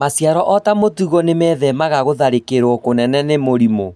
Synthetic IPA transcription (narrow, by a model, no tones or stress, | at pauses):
masjaɾɔʔɔtamotuɣɔnemɛðɛmaɣaɣoðaɾekeɾwɔkonɛnɛnemoɾimo